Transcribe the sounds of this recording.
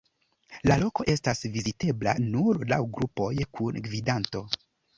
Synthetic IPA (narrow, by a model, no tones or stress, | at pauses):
lalo̞ko̞ʔe̞stasvizite̞bla̰nuɾlawɡɾupo̞jkunɡvidanto̞